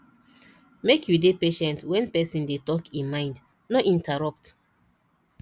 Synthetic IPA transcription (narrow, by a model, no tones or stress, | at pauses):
mekʰjudepeʃɛ̃ntwɛ̃npɛsĩndetɔkĩmãɪ̃nd | nɔʔĩntaɹɔp̚t